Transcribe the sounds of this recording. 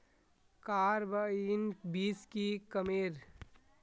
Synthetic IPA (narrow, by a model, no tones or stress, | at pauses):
kaːɾbainbiːskikəmeːɾ